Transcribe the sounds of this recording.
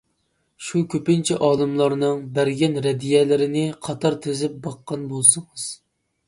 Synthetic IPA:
ʃukʲʰøpɪnt͡ʃʰiʔɑːlˠɨmlˠɑɾnɨŋbæɾɡʲɛnɾɛd̪ijɛlɪɾɪnɪqʰɑt̪ʰɑɾt̪ʰezɪp̚bɑqːɑnbolˠsɨŋɨz̥

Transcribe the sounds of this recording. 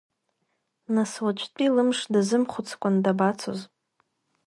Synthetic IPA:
naswat͡ʃʷʰʼtʼilɨmʂdazɨmχʷʊt͡sʰkʷʼandabat͡sʰo̰z

